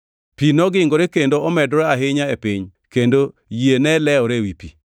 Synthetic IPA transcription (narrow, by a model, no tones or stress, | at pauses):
pinɔɡɪŋɡoɾekendoɔmɛdɔɾɛaɦɪɲaepɪɲkendo | jenɛlɛɔɾewipi